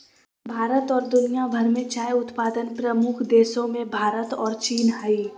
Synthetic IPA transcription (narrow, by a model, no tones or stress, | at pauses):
bʱaːɾət̪ɔːɾd̪ʊnijabʱɐɾmẽt͡ʃaːjʊt̪paːd̪ənpɾɐmʊkʰd̪eːsõmẽbʱaːɾət̪ɔːɾt͡ʃiːnɦaiː